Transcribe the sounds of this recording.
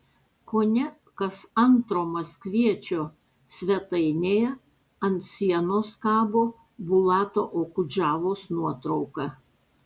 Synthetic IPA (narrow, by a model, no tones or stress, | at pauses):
koːnʲɛ | kɐsɐnt̪ɾoːmɐsʲkʋʲiɛt͡ʃʲoː | sʲʋʲɛt̪ɐɪnʲeːjɛ | ɐnt̪sʲiɛnoːskɑːboː | bʊlˠɑːt̪oːʔoːkʊd͡ʒʲɑːʋoːsnuɔt̪ɾɐʊkɑ